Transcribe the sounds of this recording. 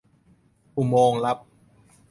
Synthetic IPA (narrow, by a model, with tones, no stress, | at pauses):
ʔu˨˩moː˧ŋla˦˥p̚